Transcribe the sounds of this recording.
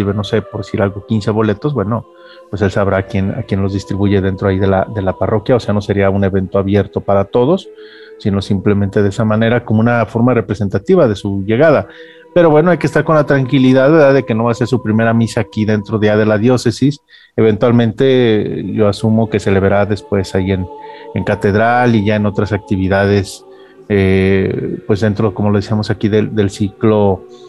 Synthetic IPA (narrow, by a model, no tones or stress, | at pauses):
ɾβeno̞se̞poɾðesiɾalɣo̞kinse̞βo̞le̞t̪o̞zbwe̞no | pwe̞se̞lsaβɾaːkje̞na̰kje̞nlo̞zðist̪ɾiβuʝe̞ðe̞nt̪ɾoaiðe̞la̰ðe̞laparo̞kjao̞se̞ano̞se̞ɾiaune̞βe̞nt̪oaβje̞ɾt̪o̞paɾat̪o̞ðo̞sː | ino̞simple̞mẽ̞nt̪eðesamãne̞ɾako̞moũnafo̞ɾmare̞pɾe̞se̞nt̪at̪iβaðe̞suʝe̞ɣaða | pe̞ɾo̞βwe̞noajkest̪aɾko̞nlat̪ɾaŋkiliðaðβeɾðaðe̞ke̞no̞βaseɾsupɾime̞ɾamisaːkiðe̞nt̪ɾoðeʝaðe̞laðjo̞se̞sis | e̞β̞e̞nt̪walmẽnt̪e̞ʝo̞asumo̞ke̞se̞le̞βeɾaðe̞spwe̞saie̞neŋkat̪e̞ðɾaliʝae̞no̞t̪ɾasak̚t̪iβiðað̞e̞s | e | pwe̞zðe̞nt̪ɾoeko̞mo̞lo̞ð̞esiamo̞sakiðed̪e̞lsiklo̞